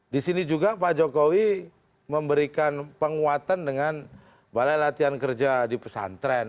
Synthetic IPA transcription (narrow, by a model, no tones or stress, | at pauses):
disinid͡ʒuɡapad͡ʒokowi | məmbəɾikanpəŋuat̪andəŋan | balajlat̪iankərd͡ʒadipə̥sa̰nt̪ɾɛ